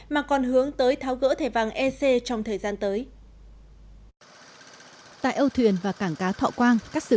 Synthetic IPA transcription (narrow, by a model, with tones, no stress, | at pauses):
maː˨˩kɔ˨˩nɦɨ˨˦əŋt̪əː˨˦jt̪ʰaː˨˦wɣə̰ː˧˥t̪ʰe˧˩va˨˩ŋʔɛ˧se˧t͡ɕɔ˧wŋ͡mt̪ʰəː˨˩jzaː˧nt̪əː˨˦j | t̪a̰ː˧˨jʔə˧wt̪ʰwi˨˩ənvaː˨˩kaː˧˩ŋkaː˨˦t̪ʰɔ̰˧˨kwaː˧ŋkaː˦˥k̚sɨ̰˧